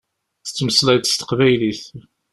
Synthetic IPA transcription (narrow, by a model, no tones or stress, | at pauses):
ə̥t͡sːməslæjt̪st̪ə̥qvæjliθ